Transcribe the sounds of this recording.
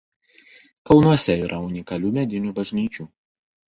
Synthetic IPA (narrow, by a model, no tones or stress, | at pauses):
kɐlˠnuɔsʲɛiːɾʔɐʊnʲɪkɐlʲuːmʲɛd̪ʲɪnʲuːbɐʒʲnʲiːt͡ʃʲuː